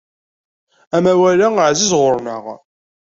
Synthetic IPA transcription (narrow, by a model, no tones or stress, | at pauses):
æmæwælæəʕzizʁʊɾnəʁ